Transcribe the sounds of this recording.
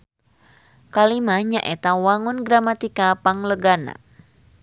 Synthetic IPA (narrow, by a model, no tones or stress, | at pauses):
kalimaɲaʔɛt̪awaŋunɡɾamat̪ikapaŋləɡana̰